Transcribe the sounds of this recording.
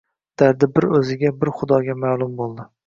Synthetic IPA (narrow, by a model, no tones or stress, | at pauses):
d̪̥aɾd̪ɪbɪɾɵzɪɡʲabɪɾχʊd̪ɒɡʲamaːlˠʊmbolˠd̪ɪ